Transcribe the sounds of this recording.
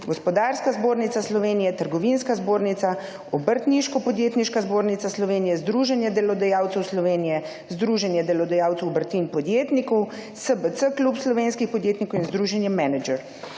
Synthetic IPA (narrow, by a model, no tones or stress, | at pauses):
ɡɔspɔd̪aːɾskazboːɾnit̪aslɔʋeːnijɛt̪əɾɡɔʋinskazboːɾnit̪sa | ɔbəɾt̪niʃkɔpɔd̪jeːt̪niʃkazboːɾnit̪saslɔʋeːnijɛzd̪ɾuʒɛnjɛd̪ɛlɔd̪ajaːwt̪sɛwslɔʋeːnijɛ | zd̪ɾuːʒɛnjɛd̪ɛlɔd̪ajaːwt̪ɛwbəɾt̪inpɔd̪jeːt̪nikɔw | səbət̪səklupslɔʋeːnskixpɔd̪jeːt̪nikɔwinzd̪ɾuʒɛnjɛmɛnɛd͡ʒɛɾ